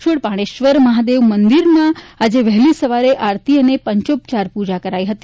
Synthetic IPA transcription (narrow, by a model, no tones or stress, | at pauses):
ʃʰuɽpaɽ̃eʃʋəɾməɦad̪eʋmənd̪iɾmãad͡ʒeʋəɦlisəʋaɾeʔaɾt̪iənepəɲt͡ʃop̚t͡ʃaɾpud͡ʒakəɾaiɦət̪i